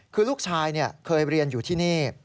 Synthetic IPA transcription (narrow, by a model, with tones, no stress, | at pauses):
kʰɯː˧luː˥˩k̚t͡ɕʰaː˧jni˥˩ɐkʰɤː˧jɾi˧ənjuː˨˩t̪ʰiː˥˩niː˥˩